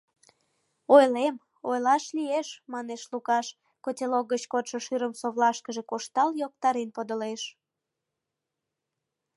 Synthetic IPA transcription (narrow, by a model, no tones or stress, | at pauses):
ojlem | ojlɑʃlieʃmɑneʃlukɑʃ | kotʲelok̚ːət͡ɕkot̪ʃəʃyɾəmsoβlɑʃkəʒekoʃt̪ɑljok̚t̪ɑɾenpod̪əleʃ